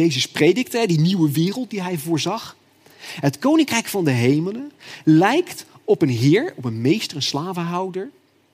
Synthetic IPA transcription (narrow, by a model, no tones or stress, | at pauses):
ejzəsprejdɪk̚təɦɛdiniwəʋɪːrəlˠt̚diɦɛjvʊːɹzɑχ | ətkownɪŋkrɛjkfɑndəɦejmələnlɛjkt | ɔpənɦɪːɹɔpənmejstərənslaːvəɦɑwdəɹ